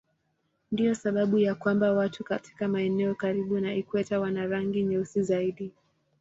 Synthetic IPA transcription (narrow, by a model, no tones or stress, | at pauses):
ndijɔsaɓaɓujakwambawatukati̥kamaɛnɛɔkaɾiɓunaikwɛtawanaɾaŋɡiɲɛusizaiɗi